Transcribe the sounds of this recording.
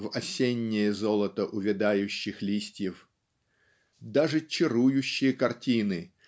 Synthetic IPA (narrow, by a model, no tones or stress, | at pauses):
vɐsʲenʲːɪjəzolˠət̪əʔʊvʲɪd̪ajʊɕːɪxlʲisʲtʲjɪf | d̪aʐɨt͡ɕɪɾujʊɕːɪjəkɐrtʲinɨ